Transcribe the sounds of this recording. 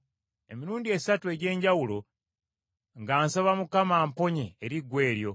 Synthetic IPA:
e̞̰miɾuːndie̞satue̞ɟe̞ːɲɟawulo̞ | ŋɡaːnsaβamukamaːmpo̞ɲeːɾiɡwe̞ːɾjo̞

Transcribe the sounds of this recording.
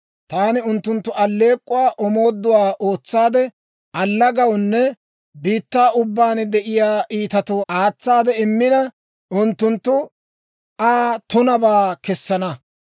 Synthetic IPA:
t̪aːnɪʊnt̪ːʊnt̪ːʊʔɐlːe̞ːkʼːʊwaːʔɔmo̞ːd̪ːʊwaːʔoːt͡sːaːd̪ɛ | ʔɐlːɐɡɐwnːɛ | biːt̪ːaːʔʊbːaːnd̪ɛʔɪjaːʔiːt̪ɐt̪ʊʔaːt͡sːaːd̪ɛɪmːɪnɐ | ʔʊnt̪ːʊnt̪ːʊ | ʔaːt̪ʊnɐbaːkɛsːɐnɐ

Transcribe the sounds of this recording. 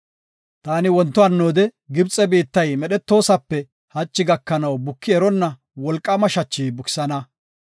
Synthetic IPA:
t̪aːnɪwɔnt̪ːɔɐnːoːd̪ɛɡɪbt͡sʼɛbiːt̪ːɐjmɛɗɛt̪ːo̞ːsɐpːɛ | hɐt͡ʃːɪɡɐkːɐnɐwbʊkʰːɪɛɾɔnːɐ | wɔlkʼːɐmɐʃɐt͡ʃːiːbʊkɪ̥sɐnɐ

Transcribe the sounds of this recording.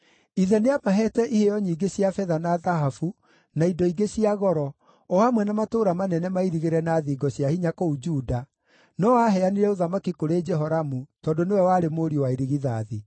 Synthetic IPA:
iðɛneamaɦɛtɛʔihejɔɲiːɡesiafɛðanaðaɦafu | naidɔiɡesiaɣɔɾɔ | ɔhamwɛnamatoːɾamanɛnɛmaiɾiɣeɾɛnaːðiːɡɔɕjahiɲakoud͡ʒuːda | nɔwaɦɛaniɾɛoðamakikoɾed͡ʒɛɦɔɾamutɔːndonewɛwaːɾemoɾiowaiɾiɣiða̰ði

